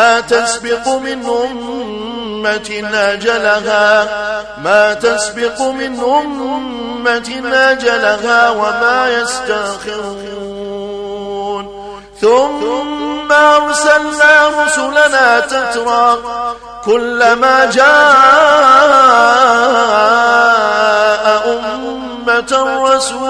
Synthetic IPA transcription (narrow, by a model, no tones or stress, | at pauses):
aːt̪asbɪqʊmɪnʔʊmː | at̪ɪnad͡ʒalaɦaː | maːt̪asbɪqmɪnʔʊmmːat̪ɪnad͡ʒalaɦaːwamaːjast̪axɪɾ | ɾuː | n | θʊmː | aʔɑɾˤsalnaːɾˤʊsʊlanaːt̪at̪ɾˤɑ | kʊlːamaːd͡ʒaːʔa | ʔaʔʊmː | at̪rˤːɑsuː